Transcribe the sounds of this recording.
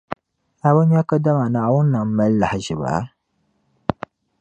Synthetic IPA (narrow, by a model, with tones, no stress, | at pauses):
a˨ba˦ɲa˦ka˦da˦ma˨naː˨wʊ˦nː˦a˨m˦ma˦lːa˨hɪ˨ʒɪ˨ba̰˨˦